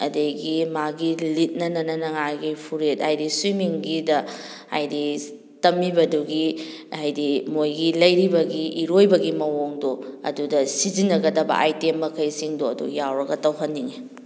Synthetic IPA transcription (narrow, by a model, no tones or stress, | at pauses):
ɐdejɡimaɡilit̚nɐnɐnɐnɐŋajɡipʰuɾet̚ajdiswimiŋɡidɐ | ha̰jdi | tɐmibɐduɡihajdimojɡilɐjɾibɐɡiʔiɾojbɐɡimɐwoŋdoɐ̰dudɐsizinːɐɡɐdɐbɐ̰ʔajtemːɐkʰɐjsiŋdoɐ̰dṵjawɾɐɡɐtɐwɦɐnːiŋe